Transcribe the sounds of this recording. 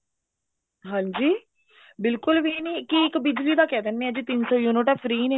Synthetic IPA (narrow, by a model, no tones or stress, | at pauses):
ɦãːɲd͡ʒiː | bɪlkʊlʋiniːkiɪkbɪd͡ʒliːd̪aːkɛːd̪enːeːɛd͡ʒiːt̪ɪnsoːjuːnoʈapʰɾiːneː